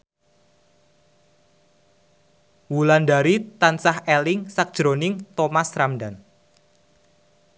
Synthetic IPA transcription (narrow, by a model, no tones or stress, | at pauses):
wulandaɾit̪ansahelɪŋsak̚d̥ʒ̥ɾonɪŋt̪omasɾamdan